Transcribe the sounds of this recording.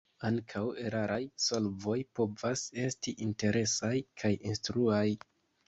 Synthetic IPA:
aŋkʰawe̞ɾaɾajso̞lvo̞jpo̞vase̞stiʔinte̞ɾʔe̞sajkʰajinstɾuaj

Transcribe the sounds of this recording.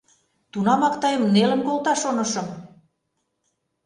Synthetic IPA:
t̪unɑmɑkt̪ɑjə̆mnelə̆mkolt̪ɑʃonɤ̆ʃɤ̆m

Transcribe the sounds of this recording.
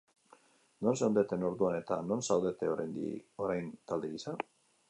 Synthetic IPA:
no̞nsewnd̪et̪e̞no̞ɾðuane̞t̪ano̞nsawðe̞t̪e̞o̞ɾajnd̪ḭo̞ɾajnt̪ald̪eɣisa

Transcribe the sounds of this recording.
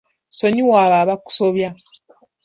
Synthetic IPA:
soɲiwaːβaβaku̥so̞βja

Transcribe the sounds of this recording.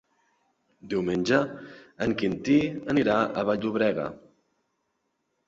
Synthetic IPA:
d̪iwmenʲʒəəŋkint̪iəniɾaəβaʎuβɾɛɣə̰

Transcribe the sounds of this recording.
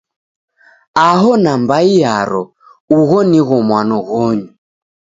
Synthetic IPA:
aɦɔnambaijaɾɔ | uɣɔniɣɔmwanɔɣɔɲu

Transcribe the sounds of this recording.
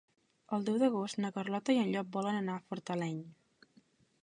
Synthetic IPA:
əlˠd̪ɛwðəɣ̞ost̪nəkərlɔt̪əiənʎɔk̚bɔlənənafuɾt̪əlɛɲ

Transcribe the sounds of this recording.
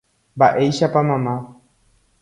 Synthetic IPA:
mbaʔe̞jʃapamãmã

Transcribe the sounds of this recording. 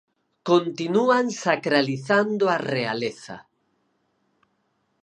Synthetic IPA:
kont̪inuaŋsakɾaliθand̪oarea̰leθa̰

